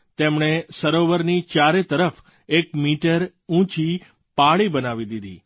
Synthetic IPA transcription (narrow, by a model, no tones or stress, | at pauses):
t̪emɳ̃esəɾoʋəɾnit͡ʃaɾet̪əɾəf | ek̚miʈəɾ | ũt͡ʃi | paɭibənaʋid̪id̪ḭ